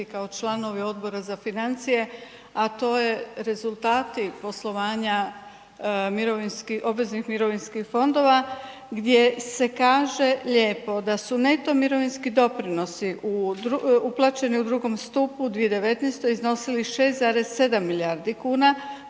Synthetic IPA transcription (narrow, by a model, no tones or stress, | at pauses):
ikaot͡ʃlˠano̞ʋio̞d̪bo̞ɾazafinant̪sije̞ | at̪o̞ːjeɾe̞zulˠt̪aːt̪ipo̞slˠo̞ʋaːɲa | miɾoʋinskio̞bʋe̞znixmiɾo̞ʋinskixfo̞nd̪o̞ʋa | ɡd̪je̞se̞kaːʒe̞ʎe̞ːpo̞d̪asune̞t̪o̞miɾo̞ʋinskid̪o̞pɾino̞siʔud̪uuplˠaːt͡ʃe̞niud̪ɾuɡo̞mst̪uːpud̪ʋie̞d̪e̞ʋe̞t̪nest̪o̞izno̞siliʃe̞ːst̪zaɾe̞sse̞d̪amːiliaɾd̪ikuːna